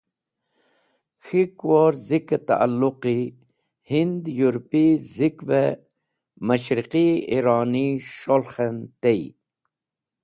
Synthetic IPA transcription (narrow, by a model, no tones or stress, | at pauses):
xʰikwoɾziket̪a̰ʔa̰lːuqi | hind̪juɾpizikve | maʃɾiqiiɾɑːniʃolxent̪ej